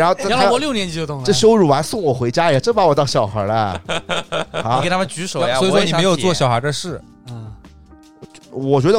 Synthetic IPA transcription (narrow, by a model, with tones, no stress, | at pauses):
a˧˥xo˧t̪a˥˧˥ɔ˧˦ljʊnjɛ˥nt͡ɕi˥jo˧t̪ʊ˥˩ŋɤ˥˩ʂɻ̩˧˥o˧ɻu˨˩wa˧˥nsʊ˥˩ŋwɔ˨˩xwe˧˥ɪt͡ɕja˥jʈ͡ʂɤ˥pa˧˥wt̪ɑ˥˩ŋɕjɑ˨˩ʊxə̰˞˧˥lə˧ | a˧˥˧a˥ə˨nt͡ɕy˧˥ʂo˨˦˥jwɔ˧˥i˨˩ʂwɔ˥ni˨˧e˥ɪjo˨˩ʊt͡swɔ˥˩ɕjɑ˨˩ʊxə˧˥d̪ə˧ʂɻ̩˥˩˥ | wɔ˨˩t͡ɕɥɛ˧˥d̪ə˧